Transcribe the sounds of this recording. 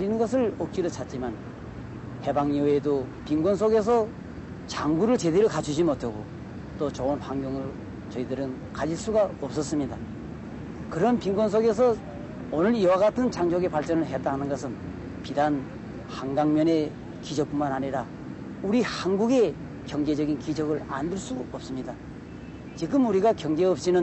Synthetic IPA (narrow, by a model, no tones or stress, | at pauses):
ʎːinɯnɡʌs̬ʰɯɭʌk̚k͈iɾot͡ɕʰat̚t͡ɕ͈iman | he̞baŋowedopiŋɡwʌns̬ʰoɡe̞s̬ʰʌ | t͡ɕaŋɡuɾɯɭt͡ɕe̞deɾokat͡ɕʰud͡ʑimotʰaɡo̰ | t͈ot͡ɕʌunɸaŋɡjoŋɯɭ | t͡ɕʌidɯɾɯn | kad͡ʑiɭs͈uɡaʌp̚s͈ʌs͈ɯmɲida | kɯɾʌnpiŋɡwʌns̬ʰoɡe̞s̬ʰʌ | onɯɾiwaɣatʰɯnt͡ɕaŋd͡ʑʌɡe̞paɭt͡ɕ͈ʌnɯɭɦe̞t͈aɦanɯnɡʌsʰɯn | pidan | haŋɡaŋmjʌne̞ | kid͡ʑʌk̚pumanɦaɲiɾa | uɾihanɡuɡe̞ | kjʌŋd͡ʑe̞d͡ʑʌɡinkid͡ʑʌɡɯɭa̰ndɯɭs͈uʌp̚s͈ɯmɲida | t͡ɕiɡɯmuɾiɡakjʌŋd͡ʑe̞ʌp̚ɕ͈inɯn